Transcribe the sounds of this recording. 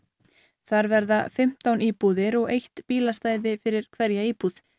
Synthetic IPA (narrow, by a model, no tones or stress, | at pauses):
θaɾvɛɾðafɪm̥t̪awniːpuðɪɾɔɣejht̪piːlast̪aːjðɪfɪɾɪɾ̥kʰvɛɾjaiːpuð̥